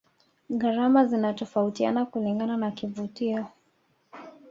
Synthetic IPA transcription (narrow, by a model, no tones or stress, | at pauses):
ɣaɾamazinatɔfautia̰nakuliŋɡananakivutiɔ